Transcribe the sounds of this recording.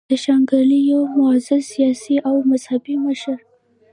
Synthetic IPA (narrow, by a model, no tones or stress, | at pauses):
d̪əʃaŋɡalijomʊazɪlsijɑsiʔawmaz̥habiməʃəɾ